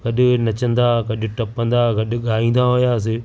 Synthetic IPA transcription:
ɡ̥ɐɗʊnɐt͡ɕə̃nd̪aɡɐɗʊ̆ʈɐpə̃nd̪aɡɐɗʊ̆ɠaːɦĩːn̆d̪aɦʊjaːs̬ɪ

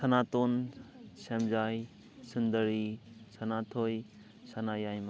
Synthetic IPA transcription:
sʰɐnat̪onsɛmzaj | sund̪əɾisɐnatʰoj | sɐnajajm

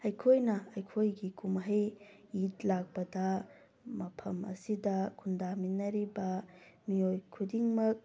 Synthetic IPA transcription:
ɐjkʰojnɐɐjkʰojɡikumɦɐj | it̚lak̚pɐdɐ | mɐpʰɐmɐ̰sidɐkʰundaminːɐɾibɐmiojkʰudiŋmɐk̚

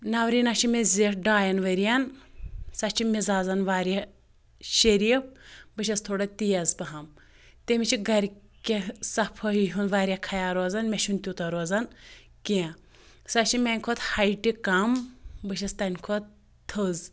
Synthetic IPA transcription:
naʋɾinat͡ʃʰimeziɖaːjɐnʋɐɾijɐn | sɐt͡ʃʰimizaːzɐnʋaːɾʲjɐ | ʃɐɾiip̚bɨʃ̬ɐst̪ʰoːɽɐt̪ijɐzpɐɦɐm | t̪emit͡ʃʰiɡɐɾ | kʲesɐpʰɐiɦunʋaːɾʲjɐkʰɐjaːɾozɐnmʲeʃʰunt̪ʲut̪ɐɾoːzɐn | ke | sɐt͡ʃʰimʲɛnʲkʰot̪hɐjʈikɐmbɨʃ̬ɐst̪ɐnʲkʰot̪ | t̪ʰəz

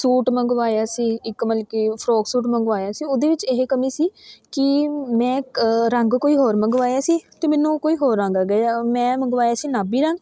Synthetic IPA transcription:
suːʈməŋɡʋaːjaːsiːɪkməlkiːpʰɾoːksuːʈməŋɡʋaːjaːsiːʊd̪eːʋɪt͡ʃeɦekəmiːsiːkɪmɛ̃ːɾəŋɡkoːiːɦoːɾməŋɡʋaːjaːsiːt̪eːmɛːnũːkoːiːɦoːɾːəŋɡaːɡɛamɛ̃ːməŋɡʋaːjaːsiːnaːbiːɾəŋɡ

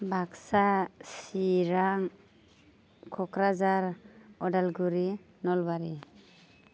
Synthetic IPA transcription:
bʱaksasiɾaŋ | kʰɔkɾazaɾɔdalɡuɾi | nɔlbaɾi

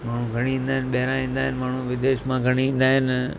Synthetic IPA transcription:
maːɳ̤ũɡʱɐɽ̃iʋĩːnd̪aːɦɪ̃nɪɓɐɦɪɾãĩːnd̪aːɦɪnɪ̆maːɳ̤ũʋɪd̪eːʃmãɡʱɐɽ̃iʋĩːn̆d̪aːɦɪn

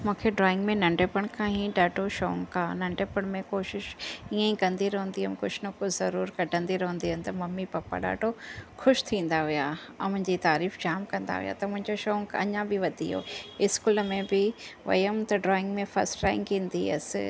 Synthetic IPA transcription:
mũːkʰeɖɾɔːɪ̃ŋɡmẽnɐ̃ɳɖeːpəɽ̃kʰãːɦĩɗaːʈʰoʃoːŋkaːnɐ̃ɳɖepəɽ̃mẽkoːʃɪʃiə̃ĩkɐ̃nd̪iɾɐɦʊ̃nd̪iɦəmkʊd͡ʑʰnɐkʊzɐɾuːɾkɐɖʱə̃nd̪iɾɐɦũnd̪iɐnɪ̆t̪ɐmɐmːipɐpa̰ɗa̰ːʈʰoxʊʃt̪ʰĩːnd̪aɦijamʊ̃ɦɪ̃ɲd͡ʑit̪aːɾiːfd͡ʑaːmkɐ̃nd̪a̰ɦḭja̰t̪ɐmʊ̃ɦɪ̃ɲd͡ʑoʃoːŋɡɐ̰ɲãbɪʋɐd̪ʱḭɦo̰ːɪskuːləmẽbɪʋɐ̰jəmt̪ɐɖɾɔːɪ̃ŋɡmẽfɐ̰ɾsʈɾaːɪ̃ŋɡĩːnd̪iɐ̰s

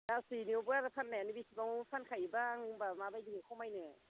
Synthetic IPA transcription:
dasiniwbɯaɾapʰanːaanibisibaŋpʰankʰajbaŋbamabajdiŋikʰawmajnɯ

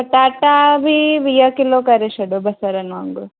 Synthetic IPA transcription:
ɐʈaʈːabʱiʋijɐkilokɐɾeʃɐɖubɐsɐɾɐnaŋɡu

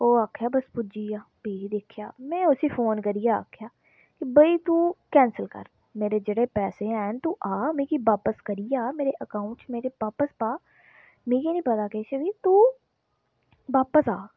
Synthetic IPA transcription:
oːaːkʰːjaːbəspʊd͡ʒiːjaːbiːid̪eːkʰjaːmɛ̃ːʊsiːfʰoːnkəɾijaːa̰ːkʰːjaː | kibəit̪uːkɛ̃ːnsəlkə̰ɾ | meːɾed͡ʒeːɽeːpɛːseɛnt̪uːʔaːmẽːkiʋaːpəskəɾijaːmeːɾeʔəkãːʊ̃ɳʈt͡ʃmeːɾebaːpəspaː | mẽːkiːnĩːpət̪aːkeːʃəbiːt̪uː | ʋaːpəsaː

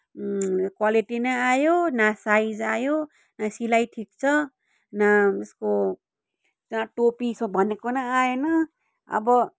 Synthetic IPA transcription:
kwaliʈinʌajonasajzajo | nasilajʈʰik̚t͡sʰʌ | naesko | aʈopisobʱʌnekonʌajenʌ | ʌ̰bʌ

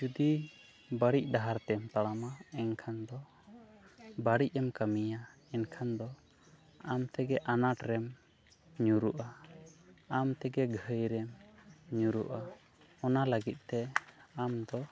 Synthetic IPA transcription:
d͡ʒud̪i | baɽic̚ˀd̪aɦaɾt̪ɛmt̪aɽamaɛnkʰand̪ɔ | baɽic̚ˀɛmkamija | ɛnkʰand̪ɔ | amt̪ɛɡɛʔanaʈɾɛm | ɲuɾuʔa | amt̪ɛɡɛɡʱəjɾɛmɲuɾuʔa | ɔnaləɡit̪̚t̪ɛamd̪ɔ

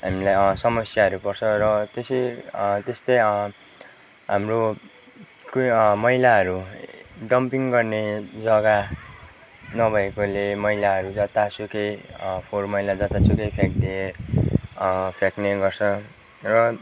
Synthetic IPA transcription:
ɦamilajsʌmʌsjaʌɾupʌrt͡sʰʌrʌt̪esit̪est̪ʌj | ɦamro | kmʌilaɦʌɾuɖʌmpiŋɡʌrned͡zʌɡa | nʌbʱʌekolemʌilaɦʌɾud͡zʌt̪asʰukejpʰormʌjlad͡zʌt̪at͡sʰukʌjpʰek̚d̪ie | pʰekneɡʌrt͡sʰʌ | rʌ

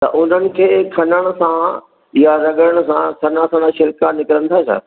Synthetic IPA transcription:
t̪ɐ̰ʔʊn̤ənɪ̆kʰeːkʰɐnəɽ̃ʊ̆sã | jaɾɐɠəɽ̃ʊ̆sãsʰɐnasãnaʃɪɾkanɪkɾə̃nt̪ʰaːsʰa̰

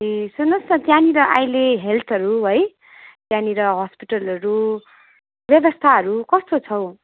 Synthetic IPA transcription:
isunʌsʌt̪janiɾʌʔajleɦelt̪ʰʌɾuɦʌj | t̪janiɾʌɦʌspiʈʌlʌɾu | bjʌbʌst̪ʰaɦʌɾukʌst̪ot͡sʰʌw

